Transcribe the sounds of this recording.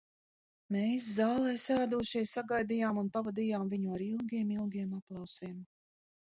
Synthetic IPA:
meːs̬zaːlˠɛjsaːd̪uɔʃɛjsaɡajd̪ijaːmunpavad̪ijaːmviɲuaɾilˠɡʲiɛmilˠɡʲiɛmaplˠɑwsiɛm

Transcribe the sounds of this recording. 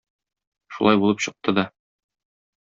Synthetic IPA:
ʃṵlˠɑjbulˠɤpɕɤ̆q̚t̪ɤd̪ɒ

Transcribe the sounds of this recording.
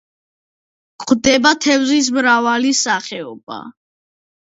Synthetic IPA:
kʼd̪ɛbat̪ʰɛvzis̬mɾavalisaχɛɔba̰

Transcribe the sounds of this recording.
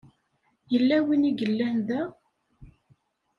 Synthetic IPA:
jəlːæwiniɡəlːænðæ

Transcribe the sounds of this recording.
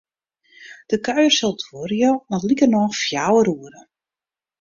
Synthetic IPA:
d̥əkœɥərsɔlˠtʰworjonɔtlikərnɔxfjawəɾuəɾə

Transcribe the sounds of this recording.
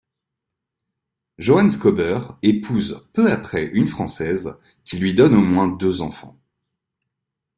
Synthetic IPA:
ʒoanskɔbœʁepʰuzpøapχɛʔynfχɑ̃sɛz | kʲilɥid̪ɔnomwɛ̃d̪øzɑ̰̃fɑ̰̃

